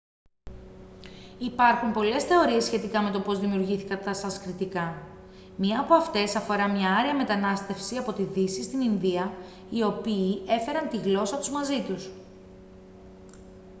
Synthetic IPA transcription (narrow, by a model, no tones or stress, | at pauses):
ipɐɾxumpo̞le̞sθe̞o̞ɾie̞sçe̞t̪ikɐme̞t̪o̞po̞zðimiuɾʝiθikɐt̪ɐsɐskɾit̪ikɐ | mɲɐːpoɐft̪e̞sɐfo̞ɾɐmɲɐɐɾiɐme̞t̪ɐnɐst̪e̞fsiɐpo̞t̪iðisist̪ininðiɐ | io̞piːe̞fe̞ɾɐnt̪iɣlo̞sɐt̪uzmɐzit̪us